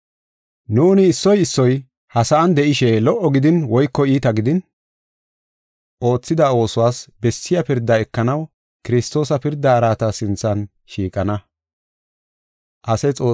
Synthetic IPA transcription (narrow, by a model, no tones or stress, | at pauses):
nuːnɪːsːɔjɪsːɔj | hɐsɐɐnd̪ɛʔɪʃɛlɔʔɔɡɪd̪ɪnwɔjkːɔiːt̪ɐɡɪd̪ɪn | ʔo̞ːt͡sːɪd̪ɐo̞ːsʊwaːsbɛsːɪjɐpɪɾd̪ːɐɛkːɐnɐw | kɪɾɪst̪o̞ːsɐpɪɾd̪ːɐːɾaːt̪ɐsɪnt͡sːɐn | ʃiːkʼɐnɐ | ʔɐsɐt͡sʼo̞ː